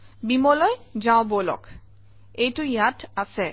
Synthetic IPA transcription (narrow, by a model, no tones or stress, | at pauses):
bimɔlɔjd͡ʒaʊ̃bolɔ̰k | ejtʊjatasɛ